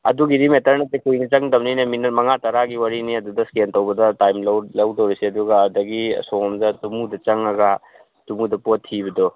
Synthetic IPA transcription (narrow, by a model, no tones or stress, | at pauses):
ɐ̰duɡiɾimetɐɾnɐtekujnɐt͡ʃɐŋdɐmninɐminɐmɐŋatɐɾaɡiwɐɾiniɐdudɐskentɐwbɐdɐtajmllɐwdɐwɾiseɐduɡɐːdɐɡisomdɐtumudɐt͡ʃɐŋɐɡɐ | tumudɐpotʰːibɐdo